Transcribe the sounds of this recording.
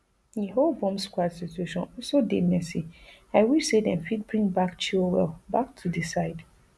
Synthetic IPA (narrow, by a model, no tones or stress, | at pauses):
nĩɦovɔ̃mskʷwadsitʰueʃɔ̃n̩sodɛmɛ̃si | aɪwisedɛ̃nfit̚bɹĩŋbakt͡ʃʰiwɛ̰lbak̚tʰudisaɪd